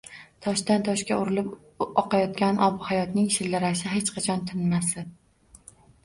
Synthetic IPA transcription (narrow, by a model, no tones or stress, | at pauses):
t̪ʰɒʃt̪ant̪ʰɒʃkʲaʊɾɪlɪp | ɒqɑjɒt̪kʲanʔɒbʊhajɒt̪nɪŋʃɪlːɪɾaʃ̬ɪɦet͡ʃqʰɑt͡ʃʰɒnt̪ʰɪnmasɪ